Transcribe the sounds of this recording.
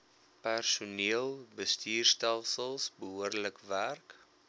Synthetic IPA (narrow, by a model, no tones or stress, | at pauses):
pærsuniəlˠbəstiːrstælˠsəlˠsbəɦuərdləkværk